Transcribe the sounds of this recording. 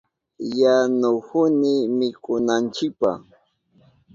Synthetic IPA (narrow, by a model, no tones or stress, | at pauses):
janʊhʊnɪmɪkʊnant͡ʃɪk̚pa̰x